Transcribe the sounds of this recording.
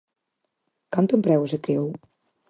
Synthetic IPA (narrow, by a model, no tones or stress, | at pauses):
kant̪ompɾɛwezəkɾew